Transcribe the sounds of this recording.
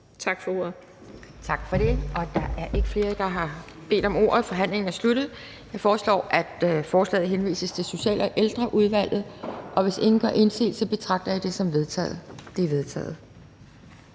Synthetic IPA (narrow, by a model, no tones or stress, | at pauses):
t͡sʰɑ̈ɡ̥fɒ̽o̝ːɐ̰ð̩ˠ | t͡sʰɑ̈ɡ̥fɒ̽ɾ̥e̝ʔɒ̽d̥ɑ̈ʔæɐʔe̝ɡ̥əfle̝ːɐd̥ɑ̈ɦɑ̈ | b̥e̝̰ːd̥ɒ̽mo̝ːɐ̰ð̩ˠfɒ̽ɦæn̰le̝ŋn̩æɐsludɾ̥ð̩ˠ | jɑ̈ɪfɒːslɒ̰ːʔæd̥fɒːslɛ̰ːð̩ˠɦenʋḭːsəst͡sʰe̝lso̝ɕɛ̰ːlɒ̽ʔeld̥ʁɐʔuð̞ˠʋæl̰ð̞̩ˠʔɒ̽ʋe̝se̝ŋn̩ɡ̥ɶʔe̝nse̝̰ːld̥sɒ̽b̥e̝t͡sʰʁɑ̈ɡ̥̚d̥ɐjid̥e̝sɒ̽mʋeðˠʰɛ̰d̥eʋe̝ð̞ˠt͡sʰɛ̰ːð̩ˠ